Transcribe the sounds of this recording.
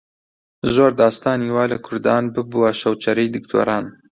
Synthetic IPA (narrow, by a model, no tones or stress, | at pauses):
zoːɾd̪ɑːst̪ɑːniːwɑːlɐkʰʊɾd̪ɑːnbɨbuwɐʃɐwt͡ʃɐɾijd̪ɨkt̪ʰo̰ːɾɑːn